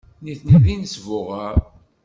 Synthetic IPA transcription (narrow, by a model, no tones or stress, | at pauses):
niθniðinəsvʊʁaɾ